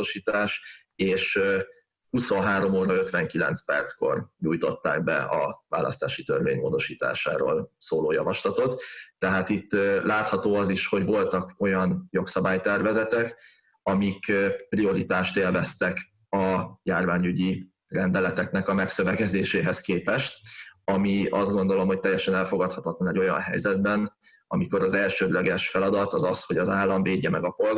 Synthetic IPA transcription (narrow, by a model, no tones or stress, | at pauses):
oʃiːt̪aːʃ | eːʃ | huso̞nɦaːɾo̞moːɾɒø̞t̪ʋɛŋkilɛ̰nt̪spɛ̰rt̪sko̞̰rɲuːjt̪o̞t̪ːa̰ːɡbɛ̰ɒva̰ːlɒ̰st̪a̰ːʃit̪ørvḛːɲmo̰ːd̪o̞ʃiːt̪a̰ːʃa̰ːɾo̰ːlsoːloːjɒ̰vɒʃlɒt̪o̞t̪ːɛɦaːt̪it̪ːlaːt̪hɒt̪oːɒziʃho̞ɟvo̞lt̪ɒko̞jɒnjo̞ksɒbaːjt̪ɛrvɛzɛt̪ɛk | ɒmikprio̞ɾit̪aːʃt̪eːlvɛst̪ɛk | ɒjaːrvaːɲyɟi | rɛnd̪ɛlɛt̪ɛknɛkɒmɛksø̞vɛkɛzeːʃeːɦɛskeːpɛʃt̪ɒmiɒzɡo̞nd̪o̞lo̞mɦho̞c̚t̪ɛjːɛʃɛnɛlfo̞ɡɒt̪hɒt̪ɒt̪lɒnɛɟo̞jɒ̰nɦɛ̰jzɛd̪bɛn | ɒmiko̞ɾɒzɛlʃøːd̪lɛɡɛʃfɛlɒd̪ɒt̪ɒzɒsho̞ɟɒzaːlːɒɱveːɟːɛmɛɡɒpo̞lɡ